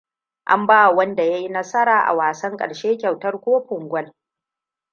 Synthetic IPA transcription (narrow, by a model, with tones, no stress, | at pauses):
ʔa̰˦mbaː˦wwɐ˦nda˨ja˦ji˦nɐ˦sɐ˦ɾaː˨ʔa̰˨waː˨sɐ˦ŋkʼɐ̰˨ɽʃeː˦kʲɐ˨wtɐ˦rkʷoː˦ɸʊ˨ŋɡʷɐ˦l